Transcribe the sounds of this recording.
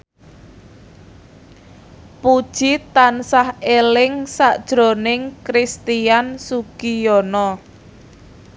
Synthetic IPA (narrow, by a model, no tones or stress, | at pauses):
pud̥ʒ̥it̪ansahelɪŋsaʔd̥ʒ̥ɾo̤nɪŋkɾist̪iansuɡ̥ijɔnɔ